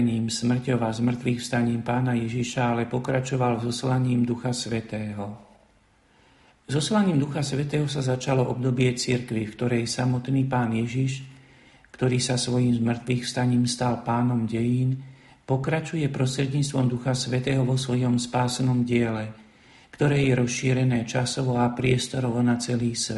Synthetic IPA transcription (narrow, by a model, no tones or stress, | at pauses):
ɲiːmsmr̩cɔʋazmr̩t̪ʋixfst̪aɲiːmpaːnajɛʒiʃaalɛpɔkɾat͡ʃɔʋalzɔslaɲiːmd̪uxasʋɛt̪ɛːɦɔ | zɔslaɲiːmd̪uxasʋɛt̪ɛːɦɔsazat͡ʃalɔʔɔb̚d̪ɔbɪɛt͡siɾkʋifkt̪ɔɾɛjsamɔt̪niːpaːnjɛʒiʃ | kt̪ɔɾiːsasʋɔjiːmzmr̩t̪ʋiːxfst̪aɲiːmst̪alpaːnɔmɟɛjiːn | pɔkɾat͡ʃujɛpɾɔst̪ɾɛd̪ɲiːt͡st̪ʋɔmd̪uxasʋɛt̪ɛːɦɔʋɔsʋɔjɔmspaːsɛnɔmɟɪɛlɛ | kt̪ɔɾɛːjɛɾɔsʃiːɾɛnɛːt͡ʃasɔʋɔapɾɪɛst̪ɔɾɔʋɔnat͡sɛliːsʋɛ